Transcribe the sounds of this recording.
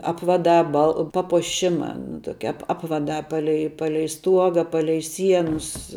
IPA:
ˈɑːpʋɐdɑː bɐlˠ pɐpuɔˈʃʲɪmɐ nʊ ˈtoːkʲɛ ˈɑːpʋɐdɑː ˈpɑːlʲɛɪ ˈpɑːlʲɛɪ ˈstuɔɡɐ ˈpɑːlʲɛɪ ˈsʲiɛnʊs

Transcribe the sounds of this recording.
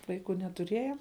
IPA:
ˈʋɐɪkʊ nʲɛtʊˈrʲiɛjɛ

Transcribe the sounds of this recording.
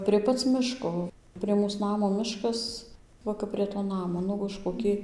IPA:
pʲrʲiɛ ˈpɐt͡s ˈmʲɪʃkoː pʲrʲiɛ ˈmuːs ˈnɑːmoː ˈmʲɪʃkɐs ˈʋɐ kɐp pʲrʲiɛ toː ˈnɑːmoː ˈnʊ ʊʃ koːˈkʲɪ

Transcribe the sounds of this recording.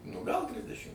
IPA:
nʊ ɡɐlˠ ˈdʲʋʲɪdʲɛʃʲɪm

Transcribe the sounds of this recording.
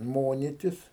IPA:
ˈmoːnʲɪtʲɪs

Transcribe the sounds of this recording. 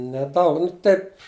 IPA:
nʲɛˈdɐʊk nʊ ˈtɐɪp

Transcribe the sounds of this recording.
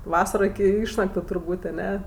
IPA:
ˈʋɑːsɐroː ɪkʲɪ ˈɪʃnɐktʊ tʊrˈbuːtʲ ɐˈnʲɛ

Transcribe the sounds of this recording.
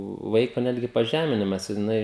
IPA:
ˈʋɐɪkoː ˈnʲæːdʲɡʲɪ pɐˈʒʲæːmʲɪnʲɪmɐs jɪˈnɐɪ

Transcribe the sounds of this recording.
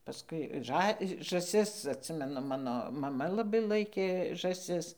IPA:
pɐˈskʊɪ ˈʒɑː ʒɐˈsʲɪs ɐtʲˈsʲɪmʲɛnʊ ˈmɑːnoː mɐˈmɐ lˠɐˈbɐɪ ˈlˠɐɪkʲeː ʒɑːˈsʲɪs

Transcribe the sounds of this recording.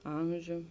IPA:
ˈɐmʲʒʲʊ

